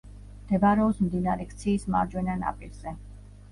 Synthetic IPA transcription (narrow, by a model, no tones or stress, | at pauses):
md̪̥ɛbaɾɛɔbsmd̪inaɾɛkʰt̪sʰiːsma̰ɾd͡ʒwɛnana̰pʼḭɾz̥ɛ